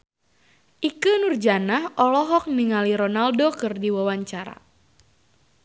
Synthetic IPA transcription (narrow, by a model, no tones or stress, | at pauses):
ʔikɨnurd͡ʒanahɔlɔɦɔk̚niŋaliɾonaldokɨrdiwawaɲt͡ʃaɾa̰